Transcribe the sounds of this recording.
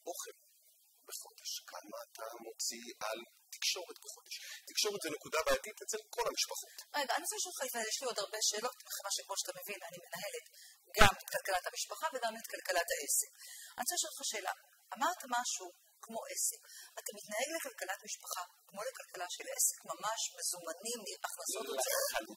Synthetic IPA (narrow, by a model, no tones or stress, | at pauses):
ʔo̞χel | beχo̞deʃkʰa̰maːtamo̞t͡sial | ti̥kʃo̞ʁetbeχo̞d̪eʃtikʃo̞ʁetzenekudabaːjatitet͡selko̞lhamiʃpaχotʁeɡaːnit͡seʃolχafajeʃlio̞daʁbe̞ʃe̞ːlo̞tbeχevaʃekmo̞ʃatame̞vinanime̞naɦe̞letɡametkalkalathamiʃpaχaveɡamet̪kalkalathaʔe̞sekaniseʃolχaʃe̞ːla̰ | ʔamaʁtamaʃu | kmo̞ʔe̞sekatamitnae̞ɡle̞kalkalatmiʃpaχakmo̞le̞kalkʰalaʃele̞sekmamaʃme̞zumanimliʔaχnaso̞tlaχalut